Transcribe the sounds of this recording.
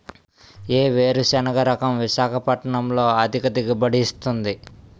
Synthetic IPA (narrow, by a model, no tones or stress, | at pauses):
eːʋeːɾusɛnɐɡɐɾɐkɐmʋiʃaːkʰɐpɐʈɐɳɐmlo̞ːɐd̪ʱikɐt̪iɡibɐɽist̪und̪i